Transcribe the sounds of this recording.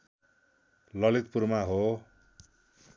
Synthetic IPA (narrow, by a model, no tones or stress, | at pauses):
lʌlit̪̚purmaɦo